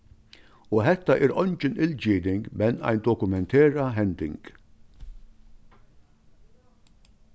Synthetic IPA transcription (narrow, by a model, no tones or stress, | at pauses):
ʊɦɛt̪ːɐʔɪɾʔɔnt͡ʃɪnɪld͡ʒiːd̪ɪŋɡbɛnːɐ̰jnd̪ɔkʊmɛnt̪ʰɛːɾɐɦɛnd̪ɪŋɡ